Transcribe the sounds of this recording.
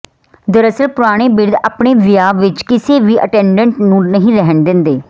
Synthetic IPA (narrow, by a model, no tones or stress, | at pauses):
d̪əɾəsəlpʊɾaːɽ̃eːbɪɾd̪a̰ːpɳeːʋɪjaːʋɪt͡ʃkɪseːʋiːʔə̰ʈɛ̃ːɳɖəɳʈnũːnəɦĩːɾɛɦənd̪ɪ̃nd̪eː